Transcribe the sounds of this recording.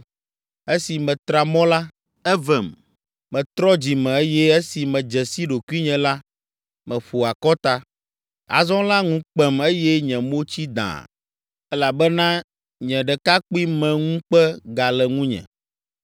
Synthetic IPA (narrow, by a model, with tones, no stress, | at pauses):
e˦si˨mɛ̃˨t̪ɾa˨mɔ̃˦la˦ | ɛ˦vɛ˨m | mɛ̃˨t̪ɾɔ˦d͡ʑi˨mɛ̃˨e˦jɛ˦e˦si˨mɛ̃˨d͡ʒɛ˨si˦ɖo˨ku˦i˦ɲɛ̃˨la˦ | mɛ̃˨ɸo˨a˨kɔ˦t̪a˦ | a̰˨zɔ̃˦la˦ŋũ˦k͡pɛ˦me˦jɛ˦ɲɛ̃˨mo˦t͡ɕi˦d̪ã̰˨ | ɛ˦la˨bɛ˦nã˦ | ɲɛ̃˨ɖɛ˨ka˦k͡pi˦mɛ̃˨ŋũ˦k͡pɛ˦ɡa˨lɛ˨ŋũ˦ɲɛ̰̃˨